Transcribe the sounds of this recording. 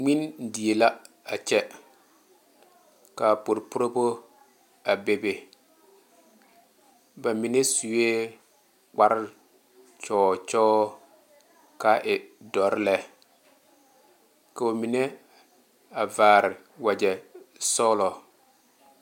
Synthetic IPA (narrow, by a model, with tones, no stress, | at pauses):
ŋ͡mi˦n˦di˨e˨la˦ | a˨t͡ʃɛ˦ | ka˨po˨ɾpʊ˦ɾo˦bo˦ | a˨be˨be˨ | ba˨mi˨ne˦su˨we˦ | k͡pa˦ɾɪ˦ | t͡ʃɔː˦t͡ʃɔː˦ | ka˦ʔɪ˨dɔ˨ɾɪ˦lɛ˦ | ka˨o˨mi˨ne˦ | a˨vaː˨ɾɪ˨ | wa˨d͡ʒɛ˨sɔː˦lɔ˨